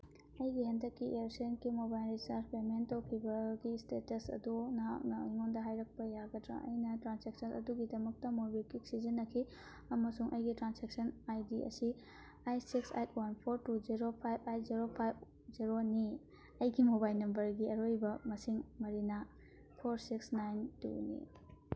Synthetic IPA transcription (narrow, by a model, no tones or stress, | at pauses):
ɐjɡiɦɐndɐkːiʔejɾsenkimobajlɾisɐɾt͡ʃpementɐwkʰibɐɡistetɐsɐ̰dunanɐŋondɐɦajɾɐk̚pɐjaɡɐtɾa̰ʔɐ̰jnɐtɾansek̚sɐnɐ̰duɡidɐmɐk̚tɐmoɾbilkik̚sizɐnːɐkʰi | ɐmɐsuŋʔɐjɡitɾansek̚sɐnajdiɐ̰si | ajsiksa̰jt̚ʰwanpʰoɾtuziɾopʰajbʰajziɾopʰajb̚ | ziɾoni | ɐjɡimobajlnɐmbɐɾɡiɐɾojbɐmɐsiŋmɐɾina | pʰoɾsiksnajntṵnḭ